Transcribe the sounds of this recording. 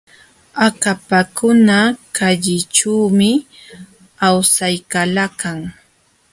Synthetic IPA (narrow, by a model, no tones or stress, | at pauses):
akapakʊnakaʎɪt͡ʃuːmɪ | awsajkalakaŋ